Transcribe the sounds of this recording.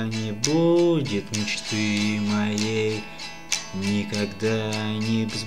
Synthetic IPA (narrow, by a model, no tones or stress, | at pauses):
nʲɪbudʲɪt̪nʲɪt͡ɕɪ̥st̪ɨmɐjej | nʲɪkaɡd̪anʲɪbʲɪz